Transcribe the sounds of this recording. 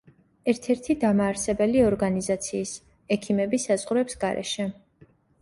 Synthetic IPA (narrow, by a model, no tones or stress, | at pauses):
ɛɾt̪ʰɛɾt̪ʰid̪amaːɾsɛbɛliɔɾɡanizat̪sʰiːs | ɛkʰimɛbisazʁɾɛpsɡaɾɛ̰ʃɛ